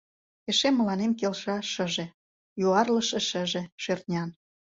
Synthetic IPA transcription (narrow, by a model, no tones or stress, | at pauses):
eʃemːə̆lɑnemkelʃɑʃə̆ʒĕ | juɑrlə̆ʃĕʃə̆ʒĕʃert̪̚nʲɑn